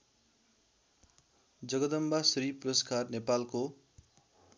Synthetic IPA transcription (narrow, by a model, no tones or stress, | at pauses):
d͡zʌɡʌd̪ʌmbasɾipuɾʌskarnepalko